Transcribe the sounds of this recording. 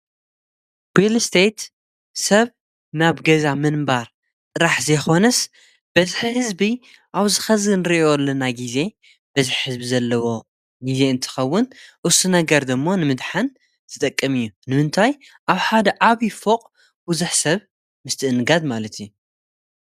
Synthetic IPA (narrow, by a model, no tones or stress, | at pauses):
wilst̪ʰejt̪ | sɐβ | naβɡɐzamɨnbaɾ | t̪ʼɨɾaħzɐjxo̞nɐs | b̥ɐziħhɨzbi | ʔaβzɨxɐzɨnɨɾiʔolːɐnaɡize̞ | b̥ɐziħhɨzbizɐlːɐwo̞ | ɡize̞ɨnt̪ʰɨ̥xɐwːʊnʔʊsunɐɡɐɾd̪ɨmːo̞nɨmɨd̪ħan | zʰɨt̪ʼɐkʼːɐmɨjːunɨmɨnt̪ʰaj | ʔaβħad̪ɐʔaβifoqʼ | buzuħsɐβ | mɨst̪ʰɨʔɨnɡad̪malɐt̪ʰiju